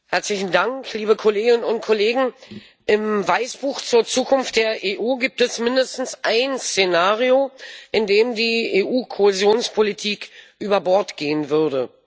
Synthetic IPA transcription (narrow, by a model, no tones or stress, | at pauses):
hɛɐt͡slɪçn̩daŋkliːbəkʰoleːɡɪnənʊnt̚kʰoleːɡŋ̩ | ʔɪmvaɪsb̥uːxt͡suːɐt͡suːkʰʊnft̚d̥eːɐʔeːʔuːɡiːp̚tɛsmɪndəstn̩sʔaɪnst͡senaːʁioʔɪndeːmdiːeːʔuːkʰoezjoːnspʰolitʰiːkʔyːbɐbɔɐtɡ̥eːənvʏɐdə